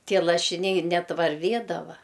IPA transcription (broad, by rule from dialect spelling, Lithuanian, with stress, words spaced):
ˈtʲiɛ lˠɐʃʲɪˈnʲɛɪ ˈnʲɛt ʋɐrʲˈʋʲeːdɐʋɐ